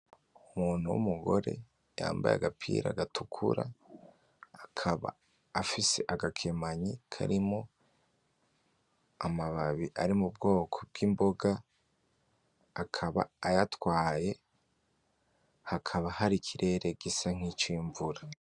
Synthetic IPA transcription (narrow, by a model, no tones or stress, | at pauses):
umuːn̥uwṵmuɡo̞̰ɾe̞̰ | ja̰ːmba̰ja̰ɡapʰḭːɾa̰ɡatʰukʰṵɾa̰ː | kʰaβa̰ː | fise̞ʔaɡakʰemaɲikʰa̰ɾimo̞ | amaβaβiʔaɾimub̚ɡo̞ːkʰob̚ɡ̥iːmbo̞ɡa | akʰaβa̰ːjatwaːje̞ | hakʰaβahaɾikʰiɾʔe̞ɾe̞ɡ̥isaŋ̥it͡ʃiːɱvuɾa